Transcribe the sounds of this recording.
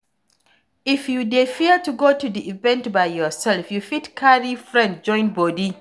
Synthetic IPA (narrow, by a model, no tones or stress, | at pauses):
ɪfjudefiətuɡotudiʔivɛ̃ntbajːɔsɛlfjufitkʰaɹifɹɛ̃nd̚d͡ʒɔ̃ɪ̃nbɔdi